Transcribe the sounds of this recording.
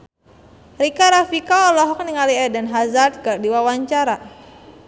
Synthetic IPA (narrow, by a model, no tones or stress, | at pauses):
rikaɾafikaɔlɔɦɔk̚niŋaliɛdɛnɦazard̪̚kərdiwawaɲt͡ʃaɾa